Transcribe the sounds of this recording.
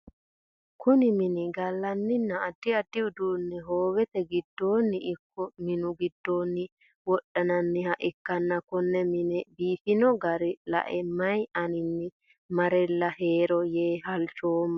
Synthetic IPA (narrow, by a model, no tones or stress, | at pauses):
kʰʊnɪmɪnɪɡɐlːɐnːɪnːɐːd̪ːɪɐd̪ːɪʊd̪uːnːɛɦo̞ːwɛt̪ɛɡɪd̪ːo̞ːnːɪʔɪkːɔmɪnʊɡɪd̪ːo̞ːnːɪ | wɔɗːɐnɐnːɪhɐʔɪkːɐnːɐkʊnːɛmɪnɛbiːfɪnɔɡɐɾɪlɐ̰ʔɛmɐjɐnɪnːɪ | mɐɾɛlːɐhe̞ːɾɔjeːɦɐlt͡ʃoːmːɐ